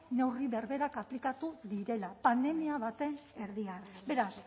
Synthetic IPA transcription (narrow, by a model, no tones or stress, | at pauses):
ne̞wriβe̞ɾβe̞ɾakaplikat̪uðiɾe̞lapand̪e̞miaβat̪e̞ne̞ɾðiarbe̞ɾas